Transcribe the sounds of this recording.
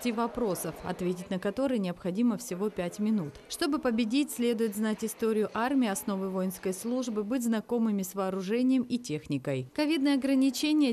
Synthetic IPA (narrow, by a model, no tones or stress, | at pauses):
tʲivɐpɾo̞səfɐ̰t̪vʲetʲɪtʲnəkɐt̪o̞ɾɨjnʲɪɐpxɐdʲiməfsʲɪvo̞pʲætʲmʲɪnut̪ʂt̪o̞bɨpəbʲɪdʲitʲsʲlʲe̞d̪ʊjɪt̪znatʲɪst̪o̞ɾʲɪjʊʔarmʲɪːɐsno̞vɨvo̞jɪnskəjslˠuʐbɨbɨtʲznɐko̞mɨmʲɪsvɐːɾʊʐɛnʲɪjəmitʲe̞xnʲɪkəjkɐvʲid̪nəjəɐɡɾənʲɪt͡ɕenʲɪjə